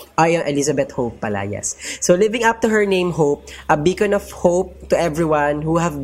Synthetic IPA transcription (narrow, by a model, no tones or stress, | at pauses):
ʔajɔnʔɛlisɐbɛt̪̚hopːɐla̰jɛ̰sːolɪvɪ̃ŋap̚t̪ʊɦɛɹnẽɪ̃mɦowp̚ʔɐbiːkɐ̃nɔvhoʊp̚t̪ʊʔɛvɹiwãnhuhæv